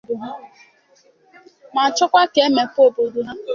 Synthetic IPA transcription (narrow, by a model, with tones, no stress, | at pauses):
du˨ɦa˦ | ma˨t͡ʃʊ˦kʷa˦ke˨˦me˨po˦˨bo˨du˦ɦa˦